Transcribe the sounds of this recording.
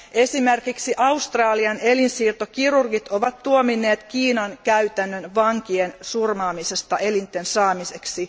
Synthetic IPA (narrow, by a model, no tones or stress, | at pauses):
ʔe̞simerkiksiʔɑust̪rɑːliɑne̞linsiːrt̪okirurɡit̪o̞ʋɑt̪ːuominːe̞ːt̪kiːnɑnkæyt̪ænːønʋɑŋkiensurmɑːmise̞st̪ɑʔe̞lint̪ːe̞nsɑːmise̞ksi